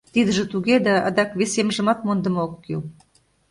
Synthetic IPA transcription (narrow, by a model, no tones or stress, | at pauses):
t̪id̪ə̆ʒə̆t̪uɣed̪ɑɑ̰d̪ɑkβesemʒə̆mɑt̪mond̪ə̆mokːil